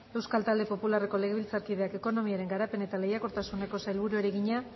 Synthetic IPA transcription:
e̞wskalt̪ald̪e̞po̞pulare̞ko̞le̞ɣeβilt͡saɾkið̞e̞ake̞ko̞no̞miaɾe̞ŋɡaɾape̞ne̞t̪ale̞jako̞ɾt̪asune̞ko̞sajlβ̞uɾueɾeɣiɲa

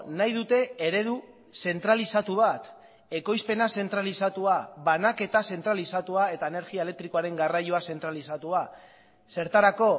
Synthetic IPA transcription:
najðut̪e̞eɾe̞ðu | se̞nt̪ɾalisat̪uβat̪ | e̞ko̞jspe̞nase̞nt̪ɾalisat̪uaβanake̞t̪ase̞nt̪ɾalisat̪uae̞t̪aene̞ɾɣiaele̞k̚t̪ɾiko̞aɾe̞ŋɡarajuase̞nt̪ɾalisat̪ua | se̞ɾt̪aɾako̞

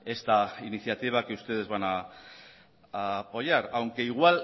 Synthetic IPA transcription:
e̞st̪ainiθjat̪iβ̞akeust̪e̞ð̞e̞zβana | po̞jaɾawŋkeiɣwal

